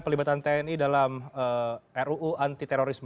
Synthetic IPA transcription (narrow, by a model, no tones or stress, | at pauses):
pərlibat̪ant̪ɛɛnidalaməɛɾuʔuʔant̪it̪eɾoɾism